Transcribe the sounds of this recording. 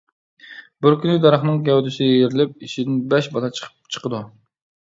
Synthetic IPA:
bɪɾkʲynɪd̪ɑɾɑχnɨŋɡʲɛwd̪ysɪd̪ʲɛjeɾɪlɪp̚iʃid̪ɪnbɛʃbɑlˠɑt͡ʃʰə̥qʰə̥p̚t͡ʃʰə̥qəd̪u

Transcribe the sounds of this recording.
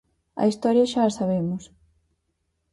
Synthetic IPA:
ɐ̰ist̪ɔɾjɐʃaːsaβemʊs

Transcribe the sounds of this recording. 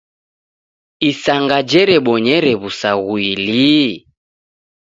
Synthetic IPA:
isaŋɡad͡ʒɛɾɛɓɔɲɛɾɛβusaɣwili

